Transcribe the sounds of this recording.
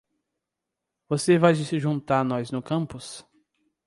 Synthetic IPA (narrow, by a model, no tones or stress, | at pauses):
vosevajd͡ʒɪsɪʒũt̪aɾnɔjznʊkɐ̃mpʊs